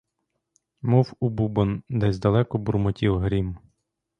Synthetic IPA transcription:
mɔwububɔnd̪ɛsʲd̪ɐlˠɛkɔbʊrmɔtʲiwɦɾʲim

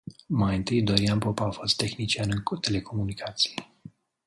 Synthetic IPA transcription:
majɨnt̪ɨjd̪oɾianpopaafo̞st̪ːe̞xnit͡ʃianɨnt̪e̞le̞kʰo̞munikʰat̪si̥je

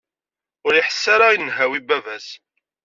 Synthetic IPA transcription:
ʊɾiħə̥sːaɾainːɦæwibævæs

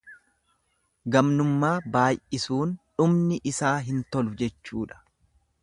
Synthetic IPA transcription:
ɡɐmnʊmːaːbaːjʔɪsuːnᶑʊmnɪʔɪsaːɦɪnt̪ɔlʊd͡ʒɛt͡ʃːuːᶑɐ̥

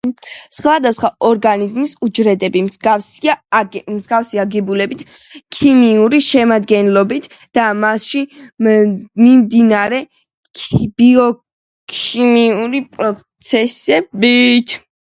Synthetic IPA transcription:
sχwad̪asχwaɔɾɡanizmisud͡ʒɾɛd̪ɛbimsɡafs | mzɡafsiaɡɛbulɛbit̪ʰ | kʰimiuɾiʃɛmad̪ɡɛnlɔbit̪ʰ | d̪̥amasʃi | mimd̪inaɾɛ | b̥iɔ | kʰimiuɾipʼɾɔt̪sʰɛsɛbit̪ʰ

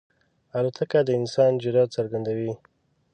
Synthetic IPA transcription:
alut̪ʰakad̪əɪnsɑnd͡ʒɪɾɑd̪̚saɾɡand̪awi

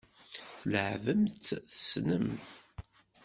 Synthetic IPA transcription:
θəlʕvəmt̪θə̥snəm

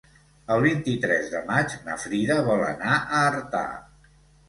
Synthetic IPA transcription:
əlˠβint̪it̪ɾɛzðəmad͡ʒnə̰fɾiðəβɔlə̰naʔəːɾt̪a̰

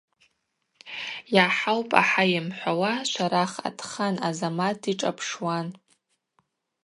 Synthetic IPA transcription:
jaħawpʼa̰ħajɪmħʷawaʃʷaɾaχa̰tʰχanazamatʰiʈ͡ʂʼa̰pʰʂwan

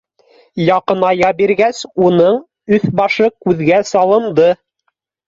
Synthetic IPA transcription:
jɑqɤ̆nɑjɑbiɾɡæsunɤɴ | ɵθbɑʃɤkʉðɡæsɑlˠɤ̆md̪ɤ

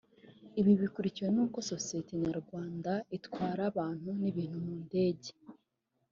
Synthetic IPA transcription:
iβiβikuɾiciwe̞nuːko̞so̞sijete̞ɲaɾɡwaːndaitwaːɾaβaːn̥huniβiːn̥humuːnde̞ːɟe̞

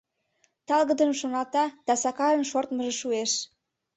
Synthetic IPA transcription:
t̪ɑlɣəd̪əmʃonɑt̪ɑd̪̥ɑsɑkɑɾənʃort̪məʒeʃueʃ

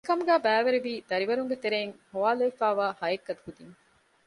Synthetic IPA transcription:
kɐmuɡæːbæːʋeɾeʋiːd̪ɐɾiʋɐɾuŋɡet̪eɾeːŋhoʋaːlɐefaːʋaːhɐekːɐt̪ukud̪iŋ

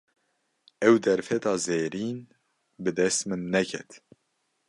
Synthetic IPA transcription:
ɛwd̪ɛɾfɛt̪ɑːzeːɾiːn | bɨd̪ɛst̪mɨnːɛkʰɛt̪

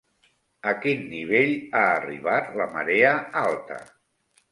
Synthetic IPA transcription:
əkinːiβ̞eʎaːriβ̞at̪ləmə̰ɾeəalˠt̪ə̰

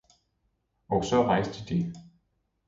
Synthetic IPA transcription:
ɒsɒ̽ʁɑɪ̰sd̥id̥i

